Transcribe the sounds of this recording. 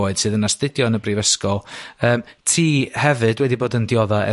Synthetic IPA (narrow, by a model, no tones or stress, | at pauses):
oːɨd̥sɨːðənastɨdjɔnəbriːvəskɔlˠəːmtʰiːhɛvɨdwɛdiboːdəndjɔðaɛ̰